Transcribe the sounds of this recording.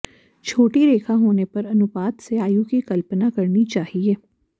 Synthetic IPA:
t͡ʃʰoːʈiɾeːkʰãɦoːnepɐɾɐnʊpaːd̪seaːjũkikɐlpnakɐɾnit͡ʃaːɦieː

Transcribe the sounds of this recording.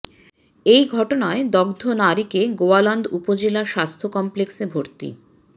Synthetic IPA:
ejɡʱɔʈonaed̪ɔɡd̪ʱonaɾikeɡoalɔnd̪upod͡ʑelaʃast̪ʰokɔmpleksebʱoɾt̪ḭ

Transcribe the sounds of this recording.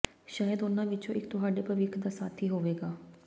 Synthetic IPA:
ʃaːjəd̪ʊnãːʋɪt͡ʃõːʔɪkt̪ʊɦaːɖeːpəʋɪkʰd̪aːsaːt̪ʰiːɦoːʋeːɡaː

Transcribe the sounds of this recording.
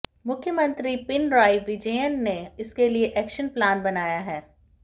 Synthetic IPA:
mʊkʰjəmɐ̃nt̪ɾipɪnɾaːiʋɪd͡ʒeːjənːeɪskelieʔɛːkʃənplaːnbɐnaːjaɦɛː

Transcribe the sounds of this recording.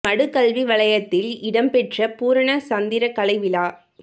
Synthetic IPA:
ɐɽɯkːɐlʋiʋɐɭɐjɐt̪ːɪlɪɽɐmpɛʈrɐpuːɾɐɳɐsɐnd̪ɪɾɐkɐɭɐɪʋɪlaː

